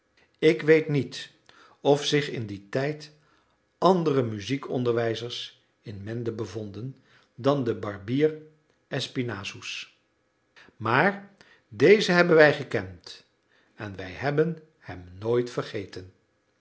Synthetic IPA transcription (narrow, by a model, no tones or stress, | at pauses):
ɪkʋejtnit | ɔfsɪχɪnditɛjt | ɑndərəmyzikɔ̰ndəɹʋɛjzəɹs | ɪnmɛndəbəvɔndən | dɑndəbɑrbiːr | ɛspinaːzus | maːɹ | dejzəɦɛbənʋɛjχəkɛnt | ɛnʋɛ̰jɦɛbən | hɛmnoːjtfərχejtən